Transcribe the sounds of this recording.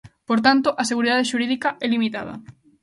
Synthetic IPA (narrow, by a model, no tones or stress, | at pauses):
poɾt̪̬ant̪oʔɐseɣuɾiðaðeʃuɾiðikaɛlimit̪a̰ðɐ̰